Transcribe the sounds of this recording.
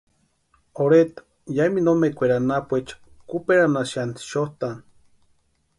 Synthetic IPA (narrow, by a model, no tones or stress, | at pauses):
oɾet̪ḁ | jaiminomekʷeɾanapʷet͡ʃḁ | kupeɾanaʃant̪ʃoht̪an